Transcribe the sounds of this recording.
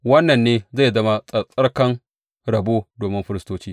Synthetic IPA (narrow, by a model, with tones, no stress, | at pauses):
wɐ˦nːɐ˨nːeː˦za˦˨zɐ˦ma˦ɐ˨sʼɐ˦rkɐ˦ŋ | ɽɐ˨boː˦doː˨mɪ˦mɸɪ˦ɾɪ˦stoː˦t͡ʃiː˦